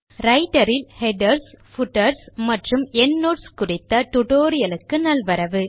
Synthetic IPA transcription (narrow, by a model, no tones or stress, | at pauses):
ɾɐɪʈɐɾɪlhɛɖɐɾsfʊʈːɐɾsmɐʈrɯmɛɳːoːʈskʊrɪt̪ːɐʈʊʈoːɾɪjɐlɯkːɯnɐlʋɐɾɐʋɯ